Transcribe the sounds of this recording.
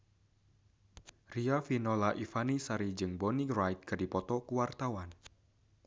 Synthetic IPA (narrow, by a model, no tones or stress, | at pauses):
riafinɔlaʔifanisaɾid͡ʒɨŋbɔnirajt̪̚kɨrdipɔt̪ɔkuwart̪awan